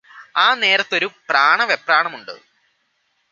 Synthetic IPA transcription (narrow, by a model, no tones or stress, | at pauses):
aːne̞ːɾɐt̪ːo̞ɾupraːɳɐʋepːraːɳɐmuɳɖɨ̰